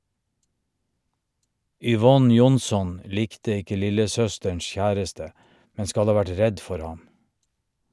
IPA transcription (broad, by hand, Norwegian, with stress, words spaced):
ʏˈʋɔn ˈjʊnˌsɔn ˈliːktə ˈɪkə ˈlɪləˌsœstəɳs ˈçæːɾəstə ˈmɛ ˈskɑl ˈɑː ˈʋæʈ ˈɹɛd ˈfɔɾ ˈhɑm